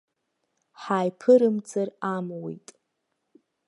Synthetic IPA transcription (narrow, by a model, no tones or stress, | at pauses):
ħaːjpʰɨɾɨmt͡sʰʼaramwḛjtʼ